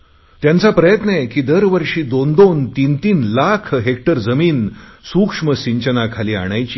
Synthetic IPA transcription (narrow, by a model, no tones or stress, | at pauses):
t̪jant͡sapɾəjət̪nekiːd̪əɾʋəɾʂiːd̪ond̪ont̪int̪iːnlakʰɦek̚ʈəɾd͡zəmiːnsukʂməɕiɲt͡ɕənakʰaliːa̰ɽ̃ajt͡ɕi